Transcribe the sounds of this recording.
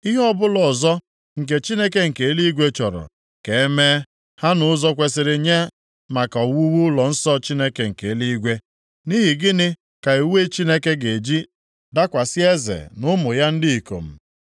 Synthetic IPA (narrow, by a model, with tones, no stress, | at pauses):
i˦ɦɔ˦bʊ˦lɔ˨zɔ˦ | ŋ̩˨k̬e˨t͡ʃi˦ne˦ke˦ŋ̩˨ke˨˦li˦ɡʷe˦t͡ʃɔ˨ɾɔ̰˨ | ke˨e˦me˦ | ha˦nʊ˨˦zɔ˦kʷe˨sɪ˨ɾɪ˨ɲa˦ | ma˨kɔ˨wu˦wu˦lɔ˨n̩˦sɔ˦t͡ʃi˦ne˦ke˨ŋ̩˨ke˨˦li˦i˦ɡʷe˦ | ni˦ɦi˨ɡɪ˦nɪ˦ | ka˨i˨we˦t͡ʃi˦ne˦ke˦ɡe˨d͡ʒi˦ | da˦kʷa˨sɪ˦e˦zḛ˨nʊ˦mʊ˨ja˦n̩˦dɪ˦i˨ko̰˨m̩˨